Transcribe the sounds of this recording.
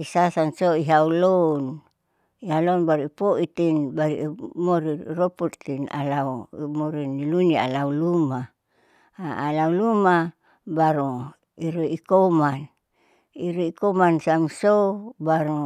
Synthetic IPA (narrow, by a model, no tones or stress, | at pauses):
isasansoiɦaulon | iɦalonbaɾipoʔit̪inbaɾḭmoɾiroput̪ːina̰laumoɾinilunia̰lauluma | lauluma | baɾu | iɾuikoman | iɾuikomansamsobaɾu